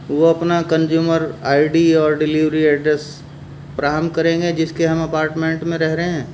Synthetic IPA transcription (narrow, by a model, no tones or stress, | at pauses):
ʋoɐpnakɐ̃nd͡ʒjuːməɾaːɪɖiɔːɾɖɪliʋɾiɛːɖɾɛs | pɾaːɾəmkɐɾẽːŋɡed͡ʒɪskeɦɐmɐpaːɾʈmẽːɳʈmẽɾɛɦɾɐɦeɦɛ̃ː